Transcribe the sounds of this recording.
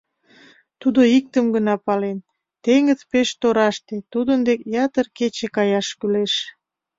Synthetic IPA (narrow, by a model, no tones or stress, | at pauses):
t̪ud̪oik̚t̪əmɡənɑpɑlen | t̪eŋəzpeʃt̪oɾɑʃt̪et̪ud̪ənd̪ekjɑt̪ərket͡ɕekɑjɑʃkyleʃ